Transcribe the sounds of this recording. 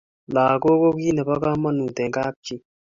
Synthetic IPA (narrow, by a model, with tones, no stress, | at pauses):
laː˨ko˦ko˦ki˦nɛ˨ba˦ka˦ma˦nu˨t̪ɛ˨ŋkaː˦p̚t͡ʃi˦